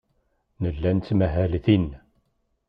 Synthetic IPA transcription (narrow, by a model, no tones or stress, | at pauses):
nəlːænt̪ːmæɦælθin